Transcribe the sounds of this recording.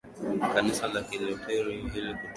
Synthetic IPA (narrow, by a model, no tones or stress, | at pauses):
kanisalakilɛtʰɛɾihiliku